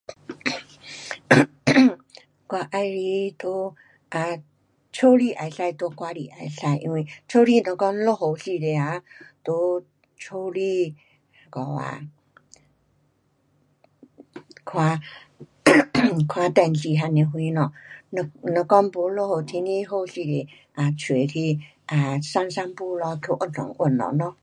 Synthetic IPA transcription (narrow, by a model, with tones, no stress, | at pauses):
kwa˧ʔa˧jɾi˧˦t̪o˧˦ | ʔa˧ | t͡ʃʰo˦li˧˨ʔa˨˧˦jsa˧jt̪o˧˦kwa˧li˨ʔa˧˦sa˧˨jʔḭ̃˧nwe˧˨t͡ʃʰo˦li˥˧˨nɔ̃˨˧kɔ˧ŋlo˦˧ɦo˨˩si˧de˧a˨˦t̪o˧˦ | t͡ʃʰo˧li˧ | kɔ˨˩a̰˧˨ | kʰwa˧˦ | kʰwa˧t̪ɛ˧˨nsi˧˨ɦa˧ne˨ɦwĩ˧˦nɔ˨˧n˧nɔ̃˧kɔ˦ŋpu˨˧˦lo˥˧˨ho˧˩t̪ʰi˧˦nĩ˧ɦo˥˧si˧ɾe˨ | ʔa˧t͡ɕʰe˨˩t̪ʰi˧ | ʔa˨sa˥˧˩ŋsa˥˧npu˥˧lɔ˧kʰjo˧˦ʔʊ˧˩tɔ̰˨˩˦ŋʔwə˧˩˨nlɔ̰˨nɔ̃˧˦